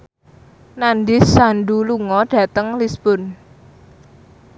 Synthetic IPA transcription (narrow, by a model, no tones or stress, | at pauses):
nandɪsanɖuluŋɔɖ̥a̤t̪əŋlisb̥ʊn